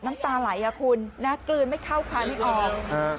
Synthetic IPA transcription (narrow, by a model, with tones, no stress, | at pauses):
na˦˥mt̪aː˧la˩˦jʔa˧˩kʰu˧nːa˦˥klɯː˧nma˥˩jkʰa˥˩wkʰaː˧n˦˥˩ʔɔː˧˩˧